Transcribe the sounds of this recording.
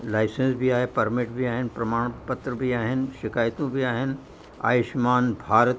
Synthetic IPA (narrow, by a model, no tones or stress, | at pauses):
laːɪsẽnsbʱiaːɦepɐɾmɪʈbʱiaːɦɪnpɾɐmaːɽ̃pɐt̪ɾəbʱiaːɦɪnʃɪkaːjt̪õbʱiaːɦɪn | a̰ːjɪʃmaːnbʱaːɾət̪